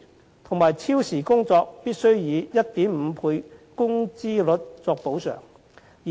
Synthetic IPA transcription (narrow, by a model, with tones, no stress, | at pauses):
t̪ʰʊ˨˩ŋmaː˨˩jt͡sʰiː˥wsiː˨˩kʊ˥ŋt͡sɔː˧k̚piː˥t̚sɵ˥ɥjiː˨˧jɐ˥t̚t̪iː˨˥mm̩ː˨˧pʰuː˧jkʊ˥ŋt͡siː˥lɵ˨˥t̚t͡sɔː˧k̚po˨˥wsœ̰˨˩ŋ | j